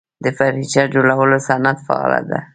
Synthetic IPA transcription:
d̪əfaɾhit͡ʃad͡ʒolawəlosanat̪fɑ̰ɑ̰la̰d̪a

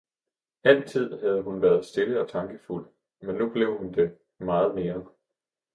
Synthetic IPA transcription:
æn̰t͡sʰið̞̰ˠɦæð̞ˠəɦunʋæːɐð̞̩ˠsd̥e̝ləɒ̽t͡sʰɑ̈ŋɡ̥əful̰ | menːub̥le̝ʊ̰hund̥e̝ | mɑ̈ːð̞̩ˠme̝ːɐ

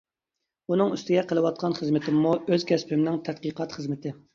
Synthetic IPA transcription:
unɨŋyst̪ɪɡʲɛqʰəlˠɨwɑt̪̚qʰɑnχəzmɪt̪ʰɪmːuøzkʲʰɛspʰymnɪŋt̪ʰɛt̪̚qəqʰɑt̪χəzmɪt̪ʰɪ

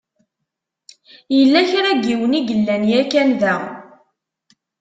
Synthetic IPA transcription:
jəlːæçɾæɡːiwəniɡəlːænjækænðæ

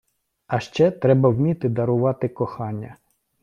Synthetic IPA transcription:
ɐʃt͡ʃɛt̪ɾɛbɐwmʲit̪ɪd̪ɐɾʊʋɑt̪ɪkɔxɑnʲːɐ

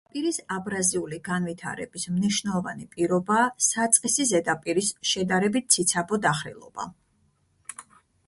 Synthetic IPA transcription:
pʼiɾisabɾaziuliɡanvit̪ʰa̰ɾɛ̰bismniʃnɛlˠɔva̰nipʼiɾɔbaːsat̪sʼqʼisizɛd̪apʼiɾisʃɛd̪aɾɛbit̪̚t̪sʰit̪sʰabɔd̪aχɾḭlˠɔ̰b̥a̰

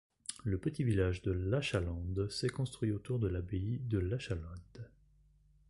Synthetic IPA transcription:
ləpət̪ivilaʒd̪əlaʃalɑ̃d̪sɛkɔ̃st̪χɥiot̪uʁd̪əlabeid̪əlaʃalɑ̃d̪

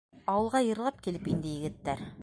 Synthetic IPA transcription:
ɑwɤ̆lˠʁɑjɤ̆ɾlˠɑp̚kilɘpind̪ɘ̆jɘ̆ɡɘ̆t̪ːæɾ

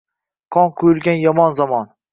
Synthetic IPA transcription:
qʰɒnqʰʊjʊlˠɡʲanjɒmɒnzamɒn

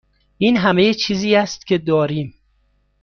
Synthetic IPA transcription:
ʔiːnɦæmejet͡ʃʰiːziːæst̪̚cʲʰe̞d̪ɒːɾiːm

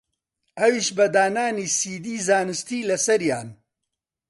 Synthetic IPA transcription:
ɐwiːʃbɐd̪aːnaːniːsiːd̪iːzaːnɨst̪iːlɐsɐɾjaːn

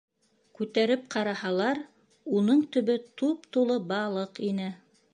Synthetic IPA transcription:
kʉt̪æɾɘp̚qʰɑɾɑhɑlˠɑɾ | unɤɴt̪ɵ̆βɵt̪upt̪ulˠɤbɑlˠɤqinɘ

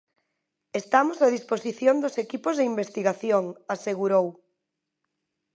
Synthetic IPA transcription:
est̪amosað̞isposiθjond̪osekipozðeimbest̪iɣaθjoŋaseɣuɾow

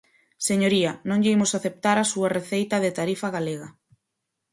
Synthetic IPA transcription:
seɲoɾiɐnõŋʎimʊsaθep̚t̪aɾasuɐreθejt̪ɐðɪt̪aɾifaɣaleɣɐ

